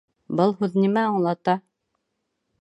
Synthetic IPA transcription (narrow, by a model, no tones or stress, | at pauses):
bɤlˠhʉðnimæɑɴlˠɑt̪ɑ